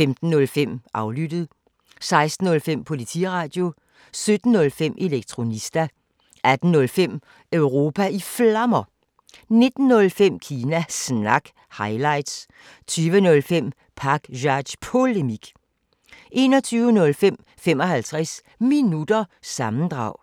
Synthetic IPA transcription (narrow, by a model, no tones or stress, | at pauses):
femd̥n̩ːɔ̽lfem̰ʔɑ̈ʊlyd̥ð̞̩ˠ | sɑ̈ɪsd̥n̩ɔ̽lfem̰pʰo̝lit͡sʰḭʁɑ̈ːd̥jo̝ | sød̥n̩ːɔ̽lfem̰ʔe̝leɡ̥̚t͡sʰʁo̝nisd̥æ | ʔæd̥n̩nɔ̽lfem̰ | øʊʁo̝ːpʰæiflɑmɐ | ne̝d̥n̩ːɔ̽lfem̰kʰiːnæsnɑ̈ɡ̥ | hɑ̈ɪlɑ̈ɪ̰d̥s | t͡sʰyːʋənɔ̽lfem̰ | pʰɑ̈ɡ̥ɕɒd̥spʰo̝lemiɡ̥ | ʔe̝̰ːnɒ̽t͡sʰyːʊnɔ̽lfem̰ | fem̰ɒ̽hælt͡sʰʁas | minud̥ɐsɑ̈mn̩d̥ʁɑ̈ʊ̰